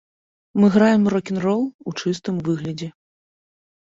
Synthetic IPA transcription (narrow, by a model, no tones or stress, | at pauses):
mɨɣɾajɛmrɔkʲinrɔlˠut͡ʂɨst̪ɨmvɨɣlʲɐd͡zʲɛ